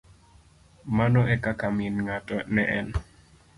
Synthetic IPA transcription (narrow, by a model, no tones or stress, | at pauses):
manɔɛkakamɪnŋatɔnɛʔɛn